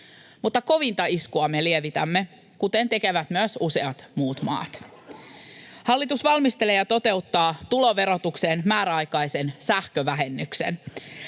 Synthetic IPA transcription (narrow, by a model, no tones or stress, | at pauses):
mut̪ːɑko̞ʋint̪ɑiskuɑme̞lie̞ʋit̪æmːe̞ | kut̪e̞nt̪e̞ke̞ʋæt̪myøsuse̞ɑt̪muːt̪mɑ̰ːt̪ | hɑlːit̪usʋɑlmist̪e̞leːjɑt̪o̞t̪e̞ut̪ːɑːt̪ulo̞ʋe̞ɾo̞t̪ukse̞ːnmæːɾæɑjkɑjsensæhkøʋæɦe̞nːyksḛn